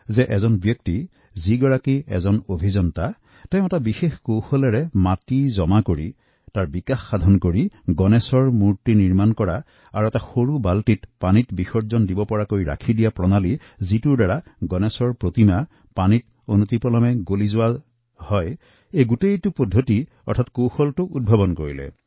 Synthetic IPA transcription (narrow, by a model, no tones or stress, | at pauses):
zɛʔɛzɔnbjɔkti | ziɡɔɹakiɛ̰zɔnobʱizɔnta | taj̃ʊ̃ɛtabixexkowxolɛɹɛmatizɔmakoɹi | taɹbikaxːad̪ʱɔnkoɹiɡɔnɛsɔɹmuɹtiniɹmankɔɹa | aɹuɛtaxoɹubaltitpanitbixɔɹzɔndibɔpɔɹakojɹa̰kʰidijapɹɔnali | zituɹdaɹaɡɔnɛsɔɹpɹotima | panit | onut̪ipɔlɔmɛɡolizʊwa | hɔj | ejɡutejtupodʱːoti | ɔ̰ɹtʰatkowxɔltʊʔud̚bʱabɔnkoɹilɛ̰